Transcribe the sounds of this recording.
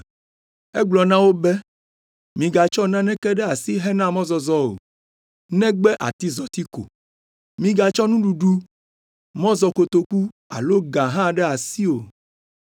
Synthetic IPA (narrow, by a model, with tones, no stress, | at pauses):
e˦ɡ͡blɔ˨nã˦wo˦bɛ˦ | mĩ˨ɡa˨t͡ʃɔ˦nã˦nɛ̃˦kɛ˦ɖɛ˦a˨si˦ɦɛ˦nã˦mɔ̃˦zɔ˨zɔ˦o̰˨ | nɛ̃˦ɡ͡bɛ˦ʔa̰˨t̪i˦zɔ˨t̪i˦ko̰˨ | mĩ˨ɡa˨t͡ʃɔ˦nũ˦ɖu˨ɖu˦ | mɔ̃˦zɔ˨ko˨t̪o˨ku˦ | a̰˨lo˦ɡã˨ɦã˦ɖɛ˦a˨si˦o˨